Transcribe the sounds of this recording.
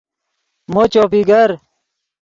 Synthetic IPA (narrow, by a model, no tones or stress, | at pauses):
mot͡ɕoːpiɡɐɾ